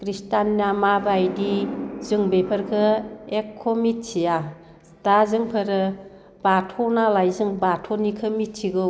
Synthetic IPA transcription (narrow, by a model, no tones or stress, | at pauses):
kɾistanːamabajdizɯŋbepʰəɾkʰɯekʰːomit̚sʰija | d̥azɯŋpʰəɾɯ | batʰɔnalajzɯŋbatʰonikʰɯmit̚t͡ʃʰiɡɯ